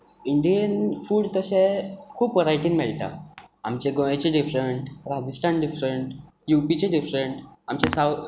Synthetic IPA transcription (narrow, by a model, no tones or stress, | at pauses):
iɳɖijənfuːɽt̪əɕẽkʰuːpʋəɾajʈiːnmɛɭt̪a̰amt͡ɕeɡɔ̃jet͡ɕeɖifɾeɳʈɾad͡ʑəsʈaɳɖifɾəɳʈ | jupit͡ɕeɖifɾəɳʈamt͡ɕesa